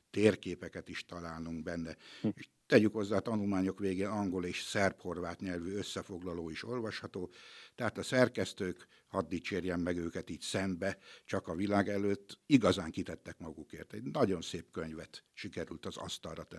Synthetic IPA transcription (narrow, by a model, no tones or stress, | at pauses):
t̪eːrkeːpɛkɛt̪iʃt̪ɒlaːlnuŋɡbɛnːɛeʃ | t̪ɛɟykho̞zːaːt̪ɒnulmaːɲo̞kʋeːɡeːnɒŋɡo̞leːʃsɛrpho̞rvaːt̪ɲɛlvyøsːɛfo̞ɡlɒloːiʃo̞lvɒʃhɒt̪oːt̪ɛɦaːt̪ɒsɛrkɛst̪øːk | hɒd̪ːit͡ʃeːrjɛmːɛɡøːkɛt̪iːcsɛmbɛt͡ʃɒkɒvilaːɡɛløːt̪ːiɡɒzaːŋkit̪ɛt̪ːɛkmɒɡukḛːrt̪ɛɟnɒɟo̞nseːpkøɲvɛt̪ʃikɛɾylt̪ɒzɒ̰st̪ɒlrɒt̪ɛn